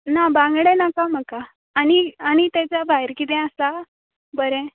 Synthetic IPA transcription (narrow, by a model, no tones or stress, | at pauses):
nabãŋɡɽɛ̃nakam̤akaː | ñiaɽ̃it̪ɛ̃t͡sabʱaɦeɾkit̪̬ɛ̃əsa | bəɾɛ̃